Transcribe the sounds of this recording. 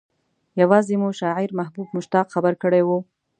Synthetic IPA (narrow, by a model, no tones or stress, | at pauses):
jawɑzemuʃɑʕɪɾmaɦbubmʊʃt̪ɑqxabəɾkəɽewu